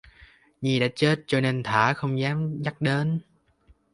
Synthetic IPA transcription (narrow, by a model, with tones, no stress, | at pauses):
ɲi˨˩ɗa̰ː˧˥t͡ɕe˦˥t̚t͡ɕɔ˧ne˧nt̪ʰaː˧˩xə˧wŋ͡mzaː˨˦mza˦˥k̚ɗe˨˦n